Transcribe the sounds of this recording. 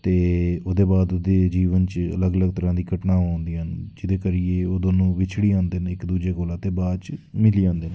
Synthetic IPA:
t̪eːoːd̪eːbaːd̪oːd̪eːd͡ʒiːʋənt͡ʃə̰ləɡələɡ̚t̪əɾãːd̪iːɡəʈnaːoːnd̪iːɦənd͡ʒɪd̪eːkəɾieːoːd̪oːnũːʋɪt͡ʃʰɽiːãːnd̪eːnɪkd̪uːd͡ʒeːkoːlaːt̪eːbaːd̪t͡ʃmɪliːãːnd̪eːnː

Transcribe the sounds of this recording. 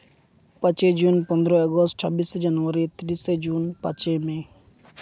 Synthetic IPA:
pãt͡ʃed͡ʒunpɔnd̪ɾɔeɡɔsʈsʰɔbisd͡ʒanuaɾit̪iɾised͡ʒunpa̰t͡ʃeme

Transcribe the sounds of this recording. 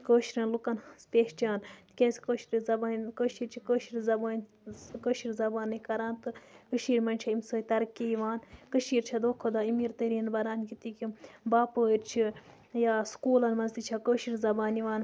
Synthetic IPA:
koːʃɾɐnlukɐnspʲeːʃt͡ʃaːnt̪kʲeːsi̥koːʃiɾizɐbaːnkəːʃiːɾt͡ʃʰikəːʃiɾzɐbaːnʲ | kəːʃiɾzɐbaːnːɨkɐɾaːnt̪ɨkəʃiːɾʲmɐnʲt͡ʃʰɐimsoːit̪ɐɾkiiʋaːnkəʃiːɾt͡ʃʰɐd̪oːkʰod̪aimiɾt̪əɾiːnbɐɾaːnkit̪ikimbaːpəːiɾt͡ʃʰi | jaːskuːlɐnmɐnzt̪it͡ʃʰɐkəːʃiɾzɐbaːniʋaːn

